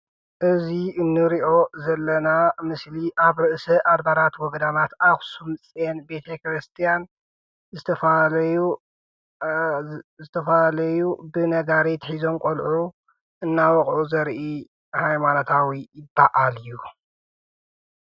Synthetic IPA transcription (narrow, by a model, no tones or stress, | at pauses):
ʔɨziɨnːɨɾiʔo̞zɐlːɐnamɨsliʔaβɾɨʔsɐʔad̪baɾat̪wɔɡɐd̪anat̪axsumt͡sʼenbe̞t̪ʰɐkɾɨst̪ʰijan | zɨt̪ɐf | zɨt̪ʰɐflɐjubɨnɐɡaɾit̪ħizo̞mkʼolʕu | ʔɨnːawɔχʼʕuzɐɾʔi | hajmanot̪ʰawijɪbːaʔalɨju